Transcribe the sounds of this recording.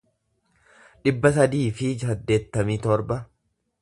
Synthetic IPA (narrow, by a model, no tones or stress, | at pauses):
ᶑɪbːɐsɐd̪iːfɪd͡ʒɐd̪ːe̞ːt̪ːɐmiːt̪ɔɾbɐ